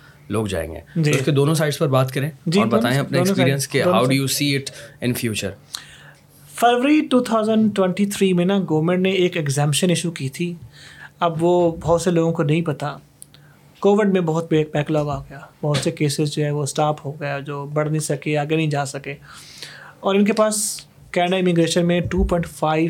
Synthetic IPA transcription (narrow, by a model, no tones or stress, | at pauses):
lo̰ːɡd͡ʒa̰ːḛ̃ŋɡḛːd͡ʒiʊsked̪oːnõs̬aɪɖspɐɾbaːt̪kɐɾẽːd͡ʒiɔːɾbɐt̪aːẽɐpneoːnsospiːɾiə̃nskeoɦaʊɖujuːsiːɪʈɪ̰̃nfjuːt͡ʃə̰ɾ | feɾʋəɾiʈuːt̪ʰaːʊzə̃ɳɖʈwɛ̃ɳʈit̪ʰɾiːmẽnaɡoːmẽɳɖneeːkɛkzɛ̃ːmpʃənɪʃukiːt̪ʰiː | ɐbʋobɐɦʊt̪seloːɡõkonɐɦĩpɐt̪a | koːʋɪɖmẽbɐɦʊt̪̚bekbɛːklɔːɡaːɡɐjaːbɐɦʊt̪sekeːsɪzd͡ʒoːɦɛʋosʈaːpɦoɡɐjad͡ʒoːbɐɽnɐɦĩsɐkeaːɡenɐɦĩd͡ʒaːsɐkeː | ɔːɾɪnk̬epaːs | kɛ̃ːɖaɪmɪɡɾeːʃənmẽʈuːpɔ̃ɪ̃ɳʈfaːɪʋ